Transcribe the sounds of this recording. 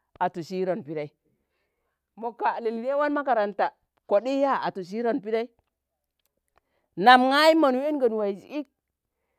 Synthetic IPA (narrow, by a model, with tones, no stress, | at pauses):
a˨tu˨si˦ɾo˨npi˦ɾa˦i˦ | mo˨ka˨li˨li˨de˦wa˦nma˦ka˨ɾa˨nta˨ | ko˨ɗi˦ja˦˨a̰˨tu˨s̬i˦ɾo˨npi˦ɾa˦i˦ | na˨mŋa˦i˦ma˨nu˨e˦nɡa˨n˨wa˨i˨d͡ʒḭ˨i˦k̚